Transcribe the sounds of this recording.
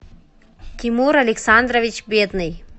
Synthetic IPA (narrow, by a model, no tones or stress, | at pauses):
kimuːɾɐliksaːnd̪ɾɐʋit͡ʃbeːt̪nɨj